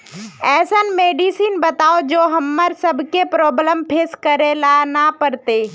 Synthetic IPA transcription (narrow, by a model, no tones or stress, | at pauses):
ɛːsənmeːɖiːsiːnbɐt̪aːod͡ʒoːɦɐmːəɾsɐbʱkepɾɔːbləmpʰeskɐɾelanapəɾt̪eː